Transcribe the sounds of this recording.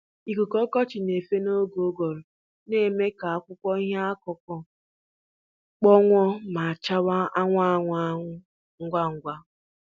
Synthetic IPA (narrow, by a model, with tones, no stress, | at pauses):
i˨ku˨kɔ˦kɔ˦t͡ʃɪ˨ne˨fe˦no˦ɡo˨˦ɡo˨ɾo˨ | ne˦˨me˦ka˨a˦kʷʊ˦kʷɔ˦i˦ɦa˦a˦kɔ˨kʷɔ˦ | k͡pɔ˦ŋʷɔ˦ma˨a˨t͡ʃa˦wa˦a˦ŋʷa˦˨˦ŋʷa˦ŋʷʊ˦ | ŋ̩˦ɡʷa˦ŋ̩˦ɡʷa˦